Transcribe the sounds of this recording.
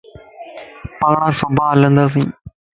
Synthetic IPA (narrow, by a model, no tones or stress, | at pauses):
pəɳãːsʊbʱaːɦələ̃nd̪aːs̬ĩː